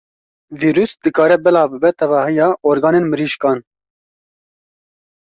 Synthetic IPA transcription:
viːɾusd̪ɨkɑːɾɛbɛlɑːvbɨbɛt̪ʰɛvɑːhɨjɑːʔoːɾɡɑːnenmɨɾiːʃkɑːn

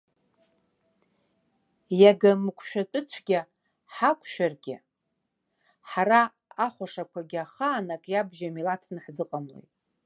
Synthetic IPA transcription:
jaɡamɨkʷʰʃᶣat͡pʷʼʊt͡ɕʷʰɡʲa | ħakʷʰʃᶣarɡʲɪ̰ | ħaɾa | aχʷaʂakʷʰaɡʲɪaχaːnakʼjabʒamilatʰnɨħzɨqʼamlo̰jtʼ

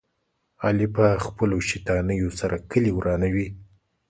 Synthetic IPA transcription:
ɑlipəxpəloʃit̪ɑnəjosaɾakəliwɾʔɑnawi

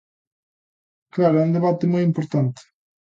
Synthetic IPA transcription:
klaɾʊɛũnd̪eβat̪ɪmojimpoɾt̪ant̪ɪ̥

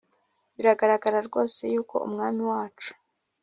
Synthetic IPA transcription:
βiɾaɡaɾaɡaɾaɾɡo̞ːse̞juːko̞̰ṵmŋaːmiwaːt͡ʃu̥

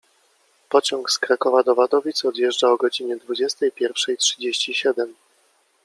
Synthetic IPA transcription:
pɔt͡ɕɔŋkskɾakɔvad̪ɔvad̪ɔvʲit̪sɔd̪jɛʐd͡ʐaɔɡɔd͡ʑiɲɛd̪vud͡ʑɛst̪ɛjpʲjɛɾfʂɛjtʂɘd͡ʑeɕt͡ɕiɕɛd̪ɛm

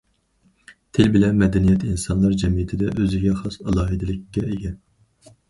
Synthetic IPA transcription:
t̪ʰelbɪlɛnmɛd̪ɛnijɛt̪ʰinsɑnlˠɑɾd͡ʒɛmijɪt̪ʰɪd̪ɛʔøzɪɡʲɛχɑsɑlˠɑːɦɨd̪ɪlɪkʲːɛeɡʲɛn

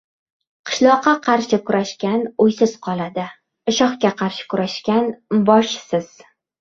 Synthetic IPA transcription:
qʰɨ̥ʃlˠɒqʰːɑqʰɑɾʃɪkʊɾʔaʃkʲanʊjsɪz̥qʰɒlˠad̪ɪ | ɪʃɒχkʲaqʰɑɾʃɪ̥kʰʊɾaʃkʲanbɒʃsɪz̥

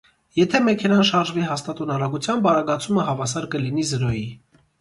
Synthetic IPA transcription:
jɛt̪ʰɛmɛkʰɛnɑnʃɑɾʒviɦɑst̪ɑt̪ɔnɑɾɑɡut͡sʰjɑnbɑɾɑɡɑt͡sʰuməɦɑvɑs̬ɑɾkəlin̪izəɾɔji

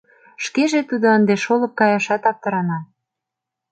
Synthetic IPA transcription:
ʃkeʒet̪ud̪oənd̪eʃolɤ̆p̚kɑjɑʃɑt̪ɑp̚t̪ɤ̆ɾɑnɑ

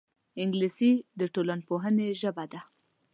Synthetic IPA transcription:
ɪŋɡlisid̪əʈolanpoɦəneʒəbad̪a

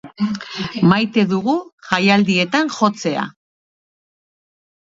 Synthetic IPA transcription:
majt̪e̞ðuɣuʝajald̪ie̞t̪aŋʝo̞t͡se̞a̰

